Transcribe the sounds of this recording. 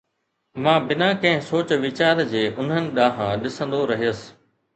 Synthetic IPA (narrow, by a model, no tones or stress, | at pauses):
mãːbɪnãkɐ̃ɦɪ̃soːt͡ɕʋɪt͡ɕaːɾd͡ʑeːʔʊn̤ənɪ̆ɗaːɦãɗɪsə̃nd̪oɾɐɦijəsɪ̥